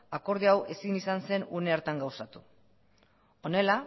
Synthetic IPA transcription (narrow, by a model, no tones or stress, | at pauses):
ako̞ɾðiawʔe̞sinisanse̞nuneaɾt̪aŋɡawsat̪u̥ | o̞ne̞la